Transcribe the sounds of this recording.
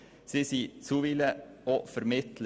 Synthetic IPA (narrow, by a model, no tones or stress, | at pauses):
sisiːt͡suːʋiləofəɾmɪt̪lə